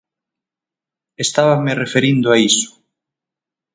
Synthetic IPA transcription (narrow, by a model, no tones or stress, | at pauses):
est̪aβamerefeɾind̪ʊaisʊ̥